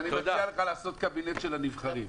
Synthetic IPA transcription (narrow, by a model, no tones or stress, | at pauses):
niialeχalaːso̞t̪̚kabinet̪ʃelanivχaʁim